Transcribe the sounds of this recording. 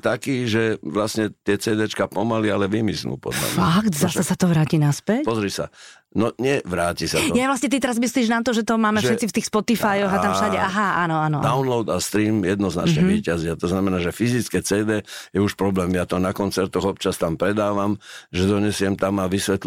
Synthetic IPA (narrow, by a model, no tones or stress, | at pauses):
t̪akiːʒɛʋlasɲɛt̪ɪɛt͡sɛːd̪ɛt͡ʃkapɔmalialɛʋimisnṵːpɔ̰d̪la̰fakt̪zasɛsat̪ɔʋɾaːcinaspɛcpɔzɾisa̰ | nɔɲɛʋɾaːcisajajʋlast̪ɲɛt̪it̪ɛɾazmisliːʒnat̪ɔʒɛt̪ɔmaːmɛfʒʃɛɛtt͡sift̪iːxspɔt̪ifajɔɣat̪amfʃaɟɛʔaɦaaːnɔanɔd̪aʊnlɔʊd̪ast̪ɾiːmjɛd̪nɔzna̰t͡ʃɲɛʋiːcazɪat̪ɔznamɛnaːʒɛfizit͡skɛt͡sɛːd̪ɛːjɛuʃpɾɔblɛːmjat̪ɔnakɔnt͡sɛɾt̪ɔɣɔp̚t͡ʃast̪ampɾɛd̪aːʋamʒɛd̪ɔɲɛsɪɛmt̪amaʋisʋɛt̪l